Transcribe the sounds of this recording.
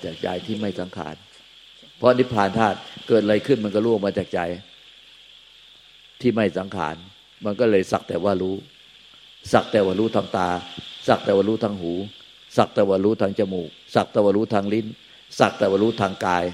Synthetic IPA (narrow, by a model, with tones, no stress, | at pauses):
t͡ɕaː˨˩k̚t͡ɕa̰˧jt̪ʰiː˥˩ma˥˩jsa˨˩˦ŋkʰa̰ː˩˦n | pʰɔ˦˥ni˦˥pʰːaː˨˩nt̪ʰaː˥˩t̪̚kɤː˨˩t̪̚a˧jkʰɯ˥˩nma˧nkɔ˥˩ɾuː˦˥˩maː˧t͡ɕaː˨˩k̚t͡ɕa˧j | t̪ʰiː˥˩ma˥˩jsa˩˦ŋkʰa̰ː˩˦n | ma˧nkɔː˥˩lɤː˧jsa̰˨˩k̚t̪ɛː˨˩waː˧˩ɾuː˦˥ | sa˨˩k̚t̪ɛː˨˩waː˧˩ɾuː˦˥t̪ʰaː˧ŋt̪aː˧sa˨˩k̚t̪ɛː˨˩waː˧˩ɾuː˦˥˩t̪ʰaː˧ŋhuː˩˦ | sa˨˩k̚t̪ɛː˨˩waː˧˩ɾuː˦˥t̪ʰaː˧˥ŋt͡ɕa˧muː˨˩k̚sa˨˩k̚t̪ɛː˨˩waː˧ɾuː˦˥t̪ʰaː˧ŋli˦˥n | sa˨˩k̚t̪ɛː˨˩waː˧˩ɾuː˦˥t̪ʰaː˧ŋkaː˧j